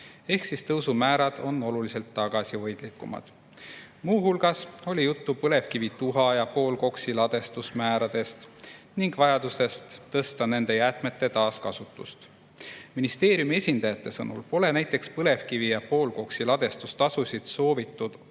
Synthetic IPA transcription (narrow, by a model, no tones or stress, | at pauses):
e̞hksist̪ɤwsumæːɾɑd̪̥o̞nːo̞lulise̞lt̪ːɑɡ̥ɑsivɤjd̪̥likːˑumɑ̰d̪̥ | muːɦulɡ̥ɑso̞lʲijut̪ːupɤle̞vkivit̪uɦɑjɑpo̞ːlko̞ksilɑd̪̥e̞st̪usmæːɾɑd̪̥e̞st̪ | niŋɡvɑjɑd̪use̞st̪ːɤst̪ɑne̞nd̪̥e̞jæt̪ˑme̞t̪ːe̞t̪ɑːskɑsut̪ːˑṵst̪ | minist̪e̞ːɾjumie̞sʲind̪ɑjɑt̪ːe̞sɤ̰nṵlpo̞le̞næjt̪ːˑe̞kspɤle̞vkivijɑpo̞ːlko̞ksilɑd̪̥e̞st̪ust̪ɑsusʲid̪̥so̞ːvit̪ːud̪̥